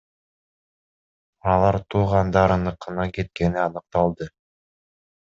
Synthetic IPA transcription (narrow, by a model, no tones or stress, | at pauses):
ɑlˠɑɾt̪ʰuːʁɑnd̪ɑɾɯnɯqːɯnɑket̪̚ke̞niɑnɯq̚t̪ɑlˠd̪ɯ